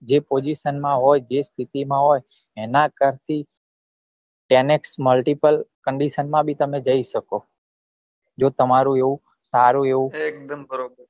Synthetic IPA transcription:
d͡ʒepod͡ʒiʃənmãɦojd͡ʒest̪ʰit̪imãɦoj | enakəɾt̪i | ʈeneksməlʈipəlkəɳɖiʃənmãbʱit̪əmẽd͡ʒəiʃəko | d͡ʒot̪əmaɾũeʋũ | saɾũeʋũek̚d̪mbɾob

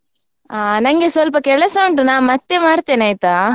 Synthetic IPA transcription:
aːnɐŋɡesʋɐlpɐkɛɭɐsɐɳʈɯnaːnmɐt̪ːemaːɽt̪ːeːnɐːjt̪aː

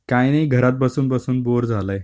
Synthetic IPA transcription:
kajnəiɡʱəɾat̪̚bəsuːnbəsuːnboɾd͡zʱaləj

